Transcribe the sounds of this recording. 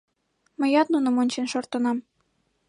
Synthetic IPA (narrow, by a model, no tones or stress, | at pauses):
mə̆jɑt̪nunɤ̆monʲt͡ɕenʃort̪ɤ̆nɑm